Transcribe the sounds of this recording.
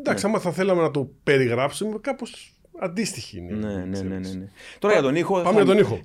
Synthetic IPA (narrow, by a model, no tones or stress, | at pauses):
nd̪ɐksiɐmɐθɐθe̞lɐme̞nɐt̪o̞pe̞ɾiɣɾɐpsumekɐpo̞s | ɐnd̪ist̪içiḭnḛnennnenet̪o̞ɾɐjɐt̪onixopɐmeʝɐt̪o̞nixo̞